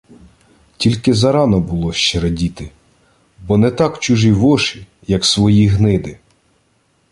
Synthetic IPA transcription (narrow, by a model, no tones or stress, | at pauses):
tʲilʲkɪzɐɾɑnɔbʊlˠɔʃt͡ʃɛɾɐdʲit̪ɪ | bɔnɛt̪ɑkt͡ʃuʒiʋɔʃi | jɐksʋɔjiɦnɪd̪ɪ